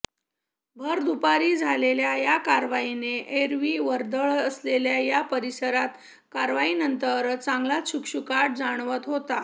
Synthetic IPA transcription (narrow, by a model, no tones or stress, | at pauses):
bʱəɾd̪upaɾiːd͡zʱaleljajakaɾʋaineʔeɾʋiːʋəɾd̪əɭəsleljajapəɾisəɾat̪ | kaɾʋainənt̪əɾt͡saŋɡlaɕukɕukaʈ̚d͡zaɽ̃ʋət̪ɦot̪a